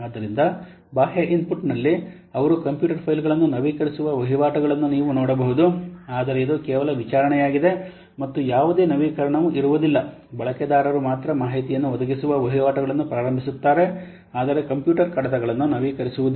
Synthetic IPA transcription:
aːd̪ːɐɾind̪ɐ | baːɦjaʔinpuʈnɐlːi | ɐʋɐɾukɐmpjuːʈɐɾpʰɐjlɡɐɭɐnːunɐʋiːkɐɾisuʋɐʋɐɦiʋaːʈɐɡɐɭɐnːuniːʋunoːɽɐbɐɦud̪uaːd̪ɐɾeid̪ukɛːʋɐlɐʋit͡ʃaːɾɐɳɛjaːɡid̪e̞ | mɐt̪ːujaːʋud̪e̞ːnɐʋiːkɐɾɐɳɐʋuʔiɾuʋud̪ilːɐ | bɐɭɐkɛd̪aːɾɐɾumaːt̪ɾɐmaːɦit̪ijɐnːuʋɔd̪ɐɡisuʋɐʋɐɦiʋaːʈɐɡɐɭɐnːupɾaːɾɐmbʱisut̪ːaːɾe̞ | aːd̪ɐɾekɐmpjuːʈɐɾkɐɽɐd̪ɐɡɐɭɐnːunɐʋiːkɐɾisuʋud̪u

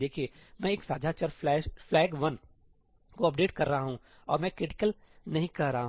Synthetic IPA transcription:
d̪eːkʰiemɛ̃ːeːksaːd͡ʒʱaːt͡ʃəɾɛːʃflɛːɡʋɐn | koɐp̚ɖeːʈkɐɾːɐɦaɦũ | ɔːɾmɛ̃kɾɪʈɪ̥kəl | nɐɦĩkɐɾɾɐɦaɦ

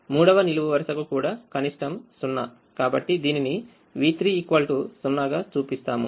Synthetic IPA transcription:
muːɽɐʋɐniluʋuʋɐɾʃɐkukuːɽaːkɐniʂʈɐmsunːɐ | kaːbɐʈːid̪iːnini | ʋiːt̪ɾiːkʋɐlʈusunːɐɡaːt͡ʃuːpist̪aːmṵ

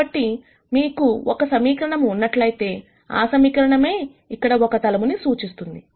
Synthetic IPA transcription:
ɐʈːi | miːkuʔɔkɐsɐmiːkɾɐɳɐmːnːɐʈlɐjit̪e̞ː | a̰ːsɐmiːkɐɾɐɳɐme̞ː | ikːɐɽɐɔkɐt̪ɐlɐmunisuːt͡ʃist̪und̪i

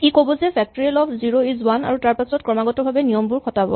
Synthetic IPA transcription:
ekobɔzɛpʰɛk̚tɔɹialɔpʰziɹoizwana̰ɹutaɹpasɔtkɹɔmaɡɔtɔbʱabɛnijɔmbuɹkʰɔtabɔ̰

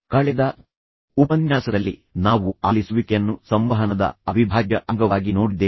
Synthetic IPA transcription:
kaːɭɛd̪ɐ | upɐnjaːsɐd̪ɐlːḭnaːʋuaːlisuʋikejɐnːusɐmʋɐɦɐnɐd̪ɐ̰ɐbibʱaːɡjɐʔɐŋɡɐʋaːɡinoːɽid̪eː

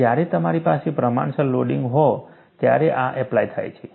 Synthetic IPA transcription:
jaɾet̪əmaɾipasepɾəma̰ɳsəlloɖiŋɡɦɔ | t̪ja̰ɾeʔaʔɛplajt̪ʰa̰jt͡ʃʰe

